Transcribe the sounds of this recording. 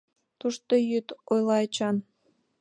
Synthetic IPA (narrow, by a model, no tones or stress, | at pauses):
t̪uʃt̪ojyt̪ojlˠɑet͡ɕɑn